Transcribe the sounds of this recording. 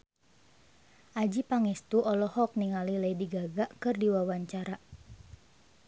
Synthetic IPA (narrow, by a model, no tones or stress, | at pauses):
ʔad͡ʒipaŋɛst̪uʔɔlɔhɔk̚niŋalilɛidiɡaɡaʔkɨrdiwawaɲt͡ʃaɾa